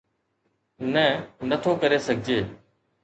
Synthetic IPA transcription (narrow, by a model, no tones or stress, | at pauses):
nə̃nət̪ʰokəɾesəɡʱd͡ʒeː